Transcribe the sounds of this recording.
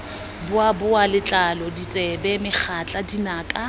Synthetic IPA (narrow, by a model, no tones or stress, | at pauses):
bʊabʊalɪt͡ɬʼalɔdit͡sʼɛbɛmɪχʰat͡ɬʼadinaːkʼa